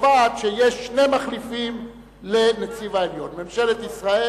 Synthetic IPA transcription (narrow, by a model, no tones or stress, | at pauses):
vaːt̪ʃejeʃːne̞maχlifim | lenet͡sivaeljo̞nmemʃe̞let̪isʁae